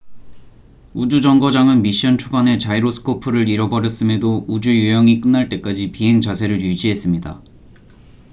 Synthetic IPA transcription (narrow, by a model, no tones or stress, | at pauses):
ud͡ʑud͡ʑʌŋɡʌd͡ʑaŋɯnmiɕ͈ʌnt͡ɕʰoɡane̞t͡ɕaiɾosʰɯ̥kʰopʰɯɾɯɾiɾʌbʌɾjʌs͈ɯme̞doud͡ʑujujʌŋik͈ɯnːaɭt͈e̞k͈ad͡ʑipiɦe̞ŋt͡ɕasʰe̞ɾɯɭjud͡ʑiɦe̞s͈ɯmɲida